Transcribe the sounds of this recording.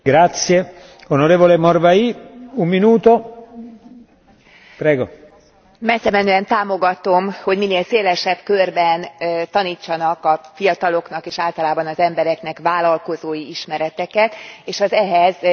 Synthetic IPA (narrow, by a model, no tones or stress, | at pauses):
ɡɾat̪sje | onoɾeːvolemorvaiumːinuːt̪o | pɾɛːɡo | mɛsɛmɛnøːɛnt̪aːmo̞ɡɒt̪o̞mho̞ɟmineːlseːlɛʃɛbkørbɛnt̪ɒniːt͡ʃːɒnɒkɒfijɒt̪ɒlo̞knɒkeːʃaːlt̪ɒlaːbɒnɒzɛmbɛɾɛkn̪ɛkʋaːlɒlko̞zoːjiiʃmɛɾɛt̪ɛkɛt̪eːʃɒzɛɦɛz